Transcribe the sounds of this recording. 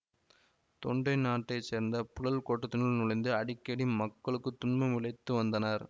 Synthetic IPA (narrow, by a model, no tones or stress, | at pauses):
t̪ɔɳɖɐɪnaːʈːɐɪt͡ʃːeːɾnd̪ɐpʊɻɐlkoʈːɐt̪ːɪnɐlnʊɻɐɪnd̪ɯɐɽɪkːeɽimɐkːɐɭɯkːɯt̪ːʊɳmɐmɪɭɐɪt̪ːɯʋɐnd̪ɐnɐɾ